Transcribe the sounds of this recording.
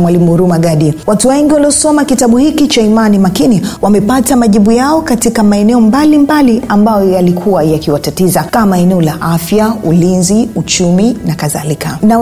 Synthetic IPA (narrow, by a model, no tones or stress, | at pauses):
mwalimuɾumaɠaɗiwatuwɛŋɡiwaliɔsɔmakitaɓuhikit͡ʃaimanimakiniwamɛpatamaʄiɓujaɔkatikamaɛnɛɔmbalimbaliambajɔjalikʰuwajakiwatatizakamaɛnɛɔlaʔafjaulinziut͡ʃuminakaða̰likʰana